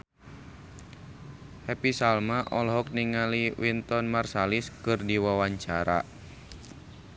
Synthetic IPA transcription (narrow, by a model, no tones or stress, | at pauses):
hɛpisalmaʔɔlɦɔk̚niŋaliwint̪ɔnmarsalɪskɨrdiwawaɲt͡ʃaɾa̰